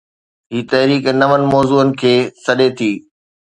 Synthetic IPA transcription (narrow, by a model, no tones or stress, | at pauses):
ɦiːt̪ɐɦɾiːkenɐʋənɪ̆mɔːzuːənɪ̆kʰeːsɐɗet̪ʰiː